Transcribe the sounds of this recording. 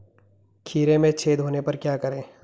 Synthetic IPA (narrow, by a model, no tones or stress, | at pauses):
kʰiːɾẽmẽt͡ʃʰeːd̪ʱɦoːnepɐɾkjaːkɐɾẽː